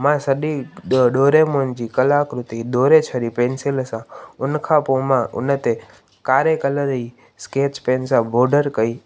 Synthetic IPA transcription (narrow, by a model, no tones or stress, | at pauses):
mãsəɗiɗoːɾemond͡ʒikəlakɾʊt̪iɗ̪oːɾet͡ʃʰəɾipẽːnseləsãʊnkʰapomãʊ̰nət̪e | kaːɾekələɾi | sket͡ʃpensãbʱoːɖəɾkəi